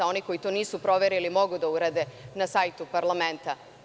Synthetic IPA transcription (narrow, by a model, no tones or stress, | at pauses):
ao̞niko̞it̪o̞ːniːsupɾo̞ʋeɾilimo̞ɡud̪auɾad̪e̞nasajt̪upaɾlament̪a